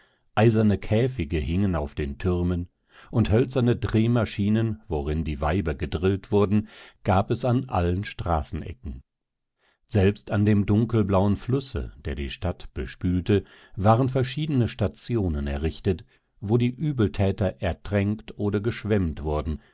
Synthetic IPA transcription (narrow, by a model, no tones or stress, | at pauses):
ʔaɪzɐnəkʰɛːfɪɡəhɪŋənaʊfd̥eːntʰʏʁɐmən | ʔʊnthœlt͡sɐnədʁeːmaʃiːnənvoʁɪndiːvaɪbɐɡədʁɪltv̥ʊɐdn̩ɡ̥aːpɛsanʔa̰lənʃtʁ̥a̰ːsn̩ʔɛ̰kŋ̩ | z̥ɛlpstandeːmdʊŋkl̩blaʊənflʊsə̰d̥eːɐdḭːʃtatb̥əʃpyːltə | vaːʁənfɛɐʃiːdənəʃtat͡sjoːnənɛɐʁɪçtət | voːdiːʔyːbl̩tʰɛːtɐʔɛɐtʁ̥ɛŋktʔoːdɐɡəʃv̥ɛmtv̥ʊɐdn̩